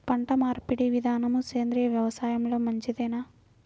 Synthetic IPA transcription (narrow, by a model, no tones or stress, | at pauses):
pɐɳʈɐmaːɾpiɽiʋid̪ʱaːnɐmukeːnd̪ɾijɐʋjɐʋɐsaːjɐmloːmɐɲt͡ʃid̪ɐːnaː